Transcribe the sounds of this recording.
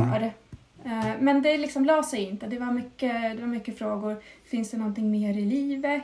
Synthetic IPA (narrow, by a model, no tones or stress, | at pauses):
ɾ | mɛnd̪ɛlɪksɔmlɑːsɛjɪnt̪əd̪ɛvaɾmʏkːəd̪ɛvaɾmʏkːəfɾoːɡʊɾfɪnsd̪ɛnɔnt̪ɪŋmeːɾɪliːvə